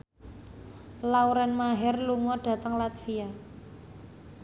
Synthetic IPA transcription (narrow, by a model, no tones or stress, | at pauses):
lauɾɛnmaɦɛrluŋɔɖ̥a̤t̪əŋlat̪sia